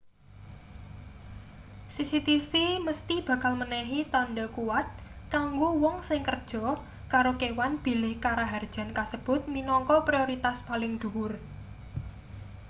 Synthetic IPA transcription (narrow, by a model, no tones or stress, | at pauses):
sisit̪ifiməst̪ib̥ä̤kalmənɛɦit̪anɖakuwat̪̚ | kaŋɡowɔŋsɪŋkərd̥ʒ̥ɔ̤ | kaɾokewanb̥i̤lɪhkaɾaɦard̥ʒ̥a̤nkasəb̥ʊ̤t̪̚minɔŋkɔpɾioɾit̪aspalɪŋd̪̥uʊr